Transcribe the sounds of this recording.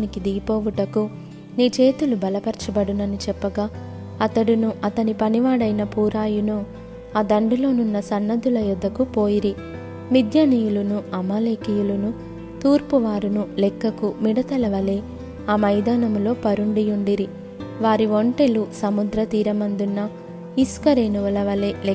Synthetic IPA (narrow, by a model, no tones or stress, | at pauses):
aːnikid̪iɡipoːʋuʈɐku | niːt͡ʃe̞ːt̪ulubɐlɐpɐɾt͡ʃɐbɐɽunɐnit͡ʃɛpːɐɡaː | ɐt̪ɐɽunuʔɐt̪ɐnipɐniʋaːɽɐjnɐpuːɾaːjunoː | aːd̪ɐɳɖulo̞ːnunːɐsɐnːɐd̪ulɐjud̪ːɐkupo̞ːjiɾi | mid̪ʱjɐnijulunuɐmaːleːkijulunu | t̪uːɾpuʋaːɾunulɛkːɐkumiɽɐt̪ɐlɐʋɐleː | aːmɐjd̪aːnɐmulo̞ːpɐɾuɳɖijuɳɖiɾi | ʋaːɾiʋoɳʈe̞lusɐmud̪ɾɐt̪iːɾɐmɐnd̪unːɐ | iskɐɾeːnuʋɐlɐʋɐle̞ːl